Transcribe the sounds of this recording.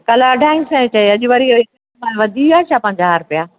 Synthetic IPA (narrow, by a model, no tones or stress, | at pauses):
kɐlaɐɖʱaːinsɛ̃t͡ɕɐeɐʄʊʋɐɾiek | mãʋɐd̪ʱiaːt͡ʃʰaːpɐ̃ɦɪ̃ɲd͡ʑaɦaɾpijaː